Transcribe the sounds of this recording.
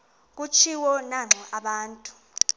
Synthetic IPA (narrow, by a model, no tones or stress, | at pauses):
k̬ut͡ʃʰiwɔnaŋ͡ǁʱɔʔaɓaːntʼu̥